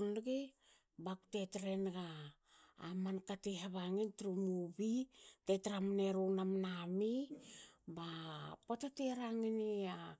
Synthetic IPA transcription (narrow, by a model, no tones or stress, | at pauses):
nɡe | baku̥te̞tɾenɡaː | mankatiɦaβaŋintɾumubitetɾamneɾunamnami | bapotateɾaŋinia